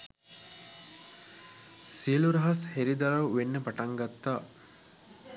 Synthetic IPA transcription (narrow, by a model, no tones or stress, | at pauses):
siəluɾɐɦɐsheɾid̪aɾɐwʋenːəpaʈaŋɡat̪ːaː